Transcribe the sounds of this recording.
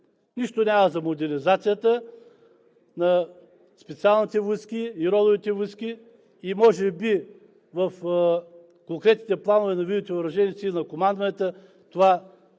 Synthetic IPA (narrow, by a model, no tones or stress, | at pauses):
niʃt̪onʲaməzɐmod̪ɛɾnʲizat̪sijət̪ə | nɐ | spɛt̪sialˠnit̪ɛviskiiɾɔd̪ovit̪ɛviski | imɔʒɛbi | vɐf | koŋkɾɛt̪nit̪ɛplˠanovɛnɐvid̪t̪ɛvɾɐʒɛnʲit̪sinɐkomand̪vɐnɛt̪ə | t̪ova